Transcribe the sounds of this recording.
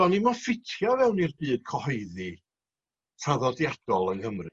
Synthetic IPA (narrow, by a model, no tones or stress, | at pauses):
ɔnimafɪtʰjɔvɛwnirbɨːd̥̚kʰɔhɔɨði | tʰaðɔdjad̥ɔlˠənhəmrɨ